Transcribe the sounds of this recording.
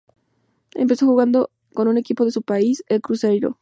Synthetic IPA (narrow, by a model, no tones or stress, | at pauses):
ḛmpe̞so̞xuɣand̪o | konune̞kipo̞ðe̞supaiselkɾusejɾo̞̰